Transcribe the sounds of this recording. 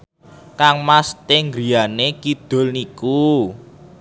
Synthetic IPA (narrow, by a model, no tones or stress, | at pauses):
kaŋmast̪eŋɡɾianekid̪̥o̤lniku